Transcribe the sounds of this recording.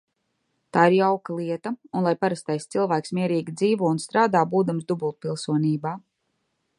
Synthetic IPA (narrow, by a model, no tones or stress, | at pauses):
t̪aːiɾjawkalˠiɛt̪aunlˠajpaɾast̪ajst̪silˠvæːksmiɛɾiːɡʲid̪ziːvuɔunst̪ɾaːd̪aːbuːd̪amsd̪ubulˠt̪̚pilˠsuɔniːbaː